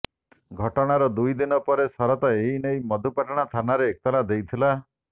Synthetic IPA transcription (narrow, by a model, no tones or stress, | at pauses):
ɡʱɔʈɔɽ̃aɾɔd̪ujd̪inɔpɔɾesɔɾɔt̪ɔeɦinejmɔd̪ʱupaʈɔɽ̃at̪ʰanaɾeːk̚t̪ɔlad̪ejt̪ʰila